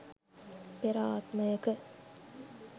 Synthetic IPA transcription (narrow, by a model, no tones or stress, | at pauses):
peɾaːt̪məjəkə